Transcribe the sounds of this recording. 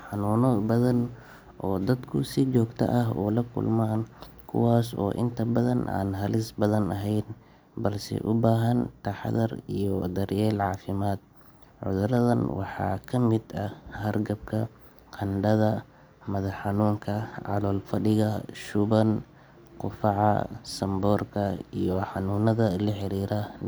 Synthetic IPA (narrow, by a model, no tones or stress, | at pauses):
ħɑnuːnɔbɐðɐn | ʔɔːd̪ɐd̪kʰʊsɪt͡ʃɔːɡt̪ʰɐ̰ʔɐɦuːlɐkʰʊ̰lmaːnkʰʊ̰waːsɔ̰ːʔɪnt̪ʰɐbɐðɐnʔa̰ːnɦɐlɪsbɐðɐnɐɦɛjn | bɐlsɛ̰ʔʊbaːɦɐnt̪ʰɐħðɐrijɔd̪ɐɾjɛːlʕɑːfɪmaːd̪̚ | ʕʊ̰ðʊɾɐðɐnwɑ̰ħɑ̰ːkʰɐmɪd̪ɐhɐrɡɐb̚kʰɐ | qʰɐnɖɐðɐ | mɐðɐħɑnuːŋkʰɐʕɑ̰lɔːlfɐɖɪɣɐʃʊβɐn | qʊfɑʕɑ̰sɐmbɔːrkʰɐijɔħɑnuːnɐðɐlɐħɪɾiːɾɐ